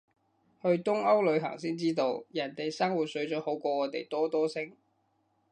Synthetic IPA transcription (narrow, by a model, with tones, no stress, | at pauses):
hɵ˧ɥt̪ʊ˥ŋɐ˥wlɵ˨˧ɥɦɐ̰˨˩ŋsiː˥nt͡siː˥t̪o˧wjɐ˨˩nt̪e˨jsɐ˥ŋwuː˨˩t̚sɵ˨˥ɥt͡sɔː˨˥ho˨˥wkʷɔː˧ŋɔː˨˧t̪e˨jt̪ɔː˥t̪ɔː˥sɪ˥ŋ